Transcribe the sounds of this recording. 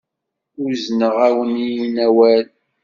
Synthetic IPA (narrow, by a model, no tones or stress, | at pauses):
ʊɾznəʁæwənijinæwæl